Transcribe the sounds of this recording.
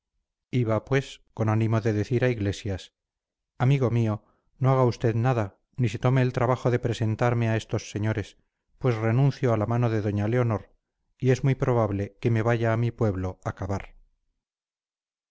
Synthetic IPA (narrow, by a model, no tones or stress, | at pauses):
iβapwe̞sko̞nanĩmo̞ðe̞ðe̞θiɾaiɣle̞sjas | amiɣo̞mio̞ | no̞aɣaust̪e̞ðnaða | niset̪ome̞ːlt̪ɾaβaχo̞ðe̞pɾe̞se̞nt̪aɾme̞ae̞st̪o̞sːe̞ɲo̞ɾe̞s | pwe̞sre̞nũnθjo̞alamano̞ðe̞ðo̞ɲaleo̞no̞ɾ | ie̞zmujpɾo̞β̞aβle̞ke̞me̞βaʝaːmipwe̞βlo̞akaβaɾ